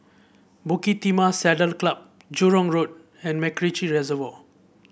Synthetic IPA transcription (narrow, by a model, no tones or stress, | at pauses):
bukitimasɛdəlklab̚ | d͡ʒuɾɔŋɾod̚ | ɛ̃nmekɾit͡ʃiɾezəvo